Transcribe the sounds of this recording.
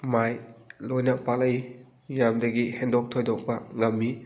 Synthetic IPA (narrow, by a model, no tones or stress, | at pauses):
majlojnɐpalɐj | jamdɐɡihendɔk̚tʰojdɔk̚pɐŋɐmːi